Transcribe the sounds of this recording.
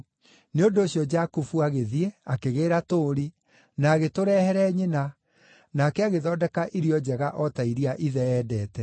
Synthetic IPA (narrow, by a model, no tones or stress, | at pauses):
neondoːɕjɔd͡ʒakufuaɣeðieakeɣeːɾatoːɾi | naːɣetoɾɛːhɛɾɛɲena | naːkɛaɣeðɔːdɛkaʔiɾiɔd͡ʑɛɣaʔɔtaiɾiaʔiðɛɛːdɛːtɛ